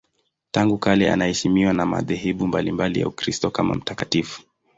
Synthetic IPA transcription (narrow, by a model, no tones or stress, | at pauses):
taŋɡukalɛa̰nahɛʃimiwanama̰ðɛɦiɓumbalimbalija̰ukɾistɔkama̰m̩takatifu̥